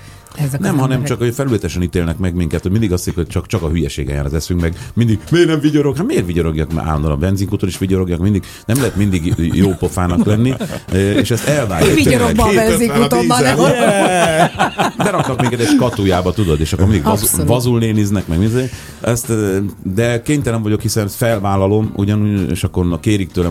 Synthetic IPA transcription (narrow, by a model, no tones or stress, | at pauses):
nɛmɦɒnɛmt͡ʃɒkhofɛlylɛt̪ɛʃɛnit̪eːlnɛkmɛɡmiŋkɛt̪hoɟmind̪iɡɒst̪ːeikhot͡ʃɒkt͡ʃɒkɒɦyjɛʃḛːɡɛ̰ja̰ːɾɔ̰zɛsyŋkmɛɡmind̪iɡmeːrnɛɱviɟoɾokhat̪meːrviɟoɾoɡjɒka̰ːlond̪olɔ̰bɛnziŋkut̪oniʃʋiɟoɾo̞ɡjakmind̪iɡ | nɛmlɛɦɛt̪mind̪iɡjoːpofaːnɒklɛnːiḛːʃɛst̪ɛlva̰ːat̪eːlɛɡeɛziautoiɛɛ | bɛɾɒk̚t̪ɒkmiːŋkɛt̪eːʃkɒt̪ujaːbɒt̪ud̪o̞d̪eːʃɒkormind̪iɡzvɒzulneːniznɛkmɛɡminze | ɛst̪d̪ɛkeːɲt̪ɛlɛɱvɒɟo̞khisɛnfɛlvaːlɒlomṵɟɒnuḛːʃɒkːornkeːɾik̚t̪øːlɛ